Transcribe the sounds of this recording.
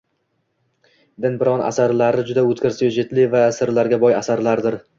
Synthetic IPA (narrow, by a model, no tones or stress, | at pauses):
d̪ɪnbɪɾɒnʔa̰saɾlaɾɪd͡ʒʊd̪aɵt̪kʲɪɾsɪjd͡ʒet̪lɪvasɪɾlaɾɡʲabɒjasaɾlaɾd̪ɪɾ